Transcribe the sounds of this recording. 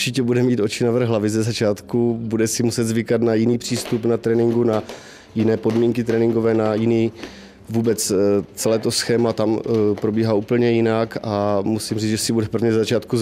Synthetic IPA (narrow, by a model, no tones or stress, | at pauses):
t͡ʃɪcɛbudɛmiːt̪o̞t͡ʃɪnavr̩ɣɦlavɪzɛzat͡ʃaːt̪kubudɛsɪmusɛd̪zvɪkat̪najɪniːpr̝̥iːst̪upnat̪ɾɛːnɪŋɡuna | jɪnɛːpo̞dmiːŋkɪt̪ɾɛnɪŋɡovɛːnajɪniː | vuːbɛt͡st͡sɛlɛːt̪o̞sxɛːmat̪ampɾo̞biːɦaːʔuːpl̩ɲɛjɪnakamusimriːzʒɛsɪbudɛpr̩vɲɛzɛzat͡ʃaːt̪ku